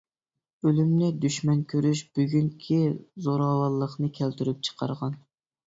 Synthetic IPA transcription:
ølymnɪd̪yʃmɛnkʲʰøɾyʃb̥yɡʲyŋkʲʰizoɾɑwɑlˠːəχnɨkʲʰælt̪yɾyp̚t͡ʃʰə̥qʰɑɾʁɑn

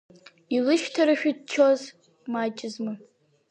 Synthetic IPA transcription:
ilɨʃtʰaɾɨʃᶣidt͡ʃʰoz | mat͡ʃʼɪzmɨ

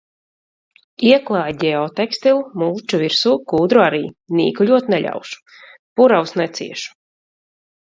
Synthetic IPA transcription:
iɛklˠɑːjɟ̪ʲɛɔt̪ɛkst̪ilˠmuːt͡ʃuviɾsuːkuːd̪ɾuaɾiːnʲḭːkulʲuɔt̪nɛʎʲʔa̰wʃu̥ | puɾawsnɛt̪sḭɛʃu̥

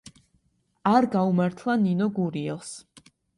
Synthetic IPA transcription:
aɾɡaumaɾt̪ʰlˠaninɔɡuɾiɛlˠs

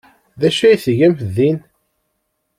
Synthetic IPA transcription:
ðæʃæjθʝæmðin

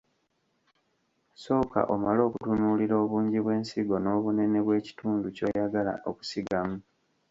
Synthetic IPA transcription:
so̞ːka̰ʔo̞malo̞ːkutunuliɾo̞ːβuːɲɟiβwe̞ːnsiɡo̞no̞ːβune̞ne̞βwe̞ːci̥tuːnduco̞jaɡala̰ʔo̞̰ku̥siɡamu

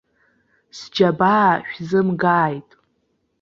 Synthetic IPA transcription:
sd͡ʒabaːʃᶣzɨmɡaːjtʼ

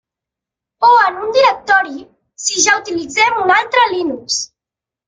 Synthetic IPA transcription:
oənund̪iɾək̚t̪ɔɾi | siʒaut̪ilid͡zɛmunalˠt̪ɾəlinuks

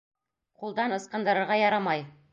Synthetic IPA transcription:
qulˠd̪ɑnɤ̆sqɑ̆nd̪ɤ̆ɾɤ̆ɾʁɑjɑɾɑmɑj

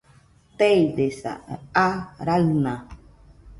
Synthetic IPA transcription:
t̪eid̪esa̰aɾaɨnã

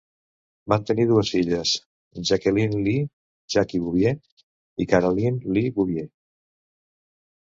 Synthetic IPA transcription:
bant̪əniðuəsfiʎəs | ʒəkəlinli | ʒakiβuβje | ikaɾolinliβuβje

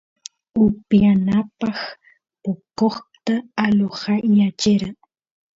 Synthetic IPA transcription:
ʊpjanapɑχ | pokoχt̪aːloχɑjat͡ʃɪɾaŋ

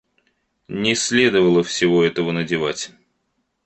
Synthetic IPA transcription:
nʲɪsʲlʲe̞d̪əvəlˠəfsʲɪvo̞ɛt̪əvənədʲɪvatʲ

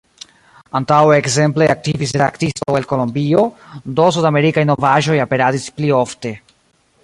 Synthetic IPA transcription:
antaweːkze̞mple̞ak̚tivisɾa̰ktistowelko̞lo̞mbio̞do̞s̬udame̞ɾikajno̞vaʒo̞jape̞ɾadisplio̞fte̞

